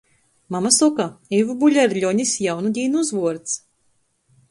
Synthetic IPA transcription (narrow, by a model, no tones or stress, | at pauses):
mamasɔkaevubuʎʲɛɾʎʲɔɲisjawnud̪ʲiːnuuzvuɔɾt̪s